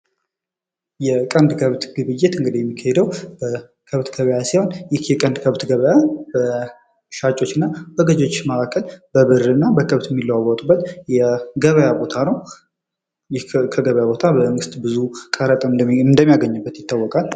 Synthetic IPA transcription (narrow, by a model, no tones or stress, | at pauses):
jɛkʼənd̪kʰəβt̪ɡɨβɨjːet̪ɨŋɡɨd̪ijɛmːikʰːahɛd̪əwbə | kʰəβt̪ɡəβəjasiho̞njɪhjɛkʼənd̪kʰəβt̪ɡəβəjab̥ə | ʃat͡ʃʼo̞t͡ʃːɪnːabəɡəd͡ʒo̞t͡ʃːməakʰːəlb̥əβɨɾɨnːabəkʰəβt̪jɛmːilːəwawɔt̪ʼubːət̪jɛɡəβəjabot̪ʰanəw | jɪkʰəɡəβəjabo̞t̪ʰabəməŋɡɨst̪bɨzukʼəɾət̪ʼɨnd̪əmːijaɡəɲːɨbːət̪jɪt̪ːawːɔkʼal